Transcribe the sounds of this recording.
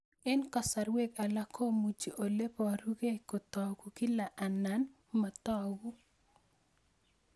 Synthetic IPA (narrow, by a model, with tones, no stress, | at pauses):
ɛ˦nkɔ˨sa˨ɾwe˦ka˨la˦kʰo˦mu˨d͡ʒi˨ʔo˨le˦pɔ˨ɾu˦ɡe˦kɔ˨t̪ɔɡu˨kɪ˦la˨ʔa˨nːa˦n | ma˨t̪ɔ˦ɡu˦